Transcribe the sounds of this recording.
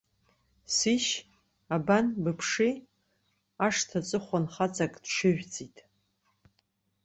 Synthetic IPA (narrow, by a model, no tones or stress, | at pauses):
siʃ | abanbɨpʰʂi | aʂtʰat͡sʷʼɨχʷanχat͡sʼakʼd̥ʂɨʒᶣt͡sʼitʼ